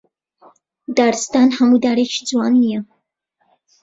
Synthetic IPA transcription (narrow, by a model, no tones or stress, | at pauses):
d̪aɾst̪aːnhamud̪aːɾet͡ʃʰi̥d͡zuwɑnijɛ